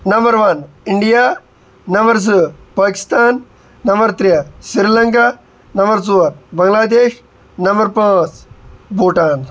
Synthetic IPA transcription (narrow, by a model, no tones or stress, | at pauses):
nɐmbɐɾʋɐn | ɪɳɖijaː | ɐmbɐɾs̬ɨpaːki̥st̪aːnː | ɐmbɐɾt̪ɾɐsiɾilɐŋkaː | nɐmbɐɾt͡suːɐɾbɐŋɡlaːd̪eːʃ | nɐmbɐɾpãːt͡sbuːʈaːn